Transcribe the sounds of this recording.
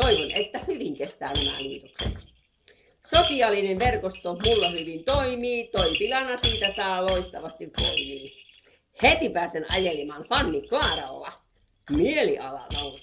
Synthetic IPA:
oiʋonet̪ːæhyʋiŋkest̪æːnemæ̰lḭːt̪oksḛt̪ | sosiɑlːinenʋerkost̪omulːɑhyʋint̪oimiːt̪oipilɑnɑsiːt̪æsɑːloist̪ɑʋɑst̪iʋʋo̰imiː | het̪ipæːsenɑ̰jelimɑːnfɑnːiklɑːrɑlːɑ̰ | mieliʔɑlɑ̰lɑ

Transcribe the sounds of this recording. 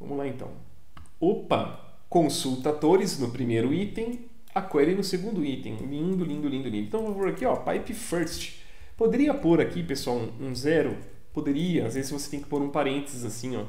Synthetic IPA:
vɐ̰̃mʊlaẽnt̪ɐ̰̃w̃ | opɐ̰ | kõsuwt̪ad̪oɾɪznʊpɾimejɾʊit̪ẽj̃ | akwɛɾɪnʊseɡũnd̪ʊit̪ḛ̃j̃lĩnd̪ʊlĩd̪ʊlĩd̪ʊlĩd̪ẽt̪w̃vopoɾakiɔpajpɪfɛɾst͡ʃɪ̥ | pod̪eɾiɐpoɾakipesʊaw̃ũzɛɾʊ | pod̪eɾiɐazvezɪzvose̥t̪ẽj̃kɪ̥poɾũpaɾẽnt̪ezɪzasĩɔ̰

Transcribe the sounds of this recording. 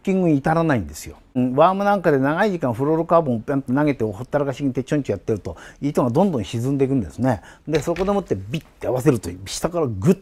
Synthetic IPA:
kʲːĩŋɡɯ̟ɲiːt̪aɾanaĩnd̪e̞sɨjo̞̰ | βaːmɯ̟nãŋkad̪e̞naɡaiʑikãɰ̃ɸɯ̟ɾoɾɯkaːbõãnt̪naɡe̞t̪eohot̪ːaɾakaɕiɡit̪et͡ɕõɲt͡ɕojat̪ːe̞ɾɯ̟t̪o̞iːt̪oɡad̪õ̞nd̪õɕizɨ̃nd̪e̞k̬ɯ̟̃nd̪esɨned̪e̞so̞ko̞d̪e̞mot̪ːebʲit̪ːeaβase̞ɾɯt̪oiɕi̥t̪akaɾaɡɯ

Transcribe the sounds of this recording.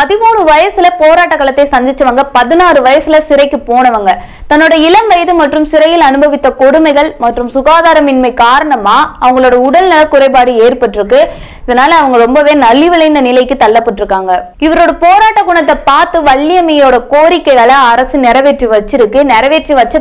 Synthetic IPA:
pɐðɪmuːnɯʋɐjɐsɯlɐpoːɾaːʈːɐkːɐɭɐt̪ːɐɪsɐnd͡ʒ̪ɪt͡ʃːɐʋɐŋɡɐpɐðɪnaːrɯʋɐjɐsɯlɐsɪɾɐɪkːɯpoːnɐʋɐŋɡɐ | t̪ɐnːoːɽɐɪlɐmʋɐjɐðɯmɐʈrɯmsɪɾɐjɪlɐnɯbɐʋɪt̪ːɐkɔɽɯmɐɪɣɐɭmɐʈrɯmsʊɣaːðaːɾɐmɪnmɐɪkaːɾɐɳɐmaːɐʋɐŋɡɐɭoːɽɐʊɽɐlnɐlɐkʊɾɐɪpaːɽɯeːɾpɐʈːɪɾɯkːɯ | ɪðɐnaːlɐːʋɐŋɡɐɾɔmbɐʋeːnɐlːɪʋɐlɐɪnd̪ɐnɪlɐɪkːɯt̪ɐɭːɐpːɐʈːɪɾɯkːaːŋɡɐ | ɪʋɐɾoːɽɐpoːɾaːʈːɐɡʊːɳɐt̪̬ːɐpaːɾt̪ɯʋɐɭːɪjɐmɐjoːɽɐkoːɾɪkːɐɪɣɐɭɐɐɾɐsɯnɪɾɐʋeːʈriʋɐt͡ʃːɪɾɯkːɯnɪɾɐʋeːʈriʋɐt͡ʃːɐ

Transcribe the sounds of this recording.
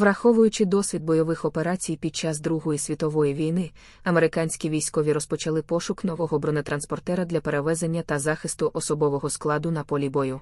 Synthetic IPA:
ʋɾɐxɔʋʊjʊt͡ʃɪd̪ɔsʲʋʲid̪̚bɔjɔʋɪxɔpe̞ɾɑt͡sʲijpʲid̪̚t͡ʃɑzd̪ɾuɦɔjisʲʋʲit̪ɔʋɔjiʋʲijnɪ | ɐme̞ɾɪkɑnʲsʲkʲiʋʲijsʲkɔʋʲiɾɔspɔt͡ʃɐlˠɪpɔʃʊknɔʋɔɦɔbɾɔnɪt̪ɾɐnspɔrt̪ɛɾɐd̪lʲɐpeɾeʋɛzenʲːɐt̪ɐzɑxɪst̪ʊʔɔsɔbɔʋɔɦɔsklˠɑd̪ʊnɐpɔlʲibɔjʊ

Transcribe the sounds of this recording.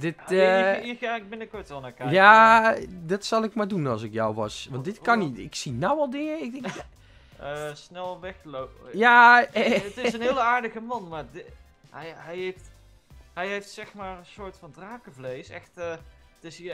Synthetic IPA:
dɪtiak̚bɪnəkʊɹtɛlˠnaːkaja | dɑtsɑlˠɪkmaːɹdunɑlˠsɪkjɔwʋɑsʋɑntdɪtkɑnitɪksinɔwɑlˠdɪŋəɪkdɪ | snɛlˠʋɛxlojaːətɪsənɪːləaːɹdəɣəmɑnmaːd | ɛɦɛjejft | ɦɛjɦejftsɛxmaːrənsʊːɹtfɑndraːkəvlejsɛxtːtɪs

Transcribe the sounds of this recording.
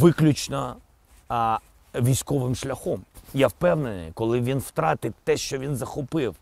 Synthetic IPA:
ʋɪklʲut͡ʃnɐ | ʋʲijsʲkɔʋɪmʃlʲɐxɔmjawpɛwnenɪ̰jkɔlˠɪʋʲinwt̪ɾɑt̪ɪt̪ɛʃt͡ʃɔʋʲinzɐxɔpɪw

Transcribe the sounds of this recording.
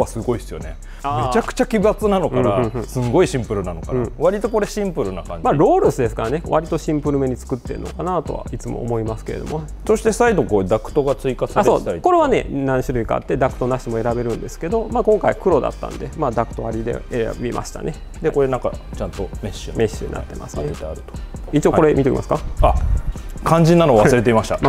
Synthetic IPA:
asɨɡo̞isɨjo̞̰ne̞̰ | amet͡ɕakɯ̟̥t͡ɕakʲibat͡sɨnano̞kãɾaɯ̃sɨɡo̞iɕĩmpɯ̟ɾɯ̟nano̞kanãβaɾʲit̪o̞ko̞ɾe̞ɕĩmpɯ̟ɾɯ̟nakãɲmaɾo̞ːɾɯsɨd̪e̞sɨ̥kaɾane̞βaɾʲit̪o̞ɕĩmpɯ̟ɾɯ̟me̞ɲ̟it͡sɨ̥kɯ̟t̪ːe̞̰ɾɯ̰no̞̰kanat̪o̞̰βa̰it͡sɨmo̰ːmo̞imasɨ̥ke̞̰ɾe̞d̪o̞̰mo | so̞ɕi̥t̪e̞said̪o̞koːd̪akɯ̟̥t̪oɡat͡sɨikasaɾeoːaɾiko̞ɾe̞βane̞̰nãɰ̃ɕiɾɯ̟ika̰a̰t̪ːe̞d̪akɯ̥t̪o̞naɕi̥t̪emo̞e̞ɾabe̞ɾɯ̟̃nd̪e̞sɨ̥ke̞d̪o̞maːkõ̞ŋkaikɯ̟ɾo̞d̪a̰t̪ːã̰nd̪e̞̰maːd̪akɯ̥t̪o̞aɾʲid̪e̞̰ea̰bʲimʔa̰ɕi̥t̪a̰ne̞ | d̪ekoɾenãka̰t͡ɕãnt̪omeɕme̞ɕːɨ̰ɲḭna̰t̪ːe̞̰mʔa̰sɨet̪eaɾɯ̟t̪o̥it͡ɕio̞ko̞ɾe̞mʲit̪ekimasɨ̥kaa | kʰãɲ̟d͡ʑĩnːanoβasɨɾe̞t̪eimaɕi̥t̪a

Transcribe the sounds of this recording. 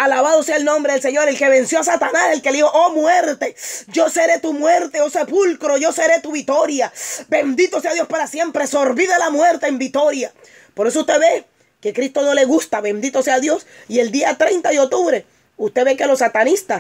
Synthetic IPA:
alaβaðo̞seaelnõ̞mbɾe̞ðelse̞ɲo̞ɾelke̞βe̞nsjoasat̪anase̞lke̞leihoʔomwe̞ɾt̪e̞d͡ʒo̞se̞ɾe̞t̪umwe̞ɾt̪e̞o̞se̞pulkɾo̞ʝo̞se̞ɾe̞t̪uβit̪o̞ɾjabe̞nd̪it̪o̞se̞aðjo̞spaɾasje̞mpɾe̞so̞ɾβiðelamwe̞ɾt̪e̞ːmbit̪o̞ɾja | po̞ɾe̞s̬oust̪e̞βe̞ | ke̞kɾist̪o̞no̞le̞ɣust̪aβe̞nd̪it̪o̞seaðjo̞sie̞ld̪iat̪ɾe̞jnt̪aðeok̚t̪uβɾe̞ | ust̪e̞βe̞ke̞lo̞sat̪anist̪a

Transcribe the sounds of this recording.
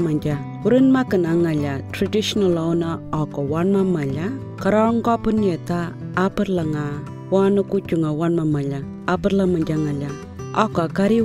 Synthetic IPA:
mand͡ʒa | uɾinmakɨnaŋaʎatɾadiʃnalawnaɔkɔwanmamaʎa | kaɾɔŋkɔpunetaː | pɨɾlaŋa | wanukut͡ʃuŋawanmamaʎa | apəɾlamad͡ʒaŋaʎa | ɔkːkaɾi

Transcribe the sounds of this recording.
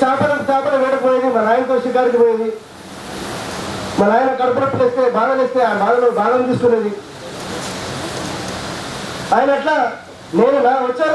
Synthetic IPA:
aːpɐnɐt̪ɐt͡ʃaːpɐnɐʋɛːʈɐkpoːjd̪imɐlaːjnɐt̪oːʃikaːɾik̬ipoːjid̪i | mɐlaːjɐnɐkɐnɐt̪ɐɾɐpːuleːst̪e̞ːbʱaːd̪ɐnest̪e̞ːaːbʱaːlɐloːbʱaːɡ̪ɐnt̪iːsuk̪unːed̪i | aːjɐnɐʈlaː | neːnunaːʋɐt͡ʃːaː

